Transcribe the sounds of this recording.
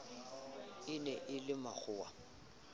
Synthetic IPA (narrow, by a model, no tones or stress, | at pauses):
ɪnɛʔɪlɪmak͡xʰʊːwa̰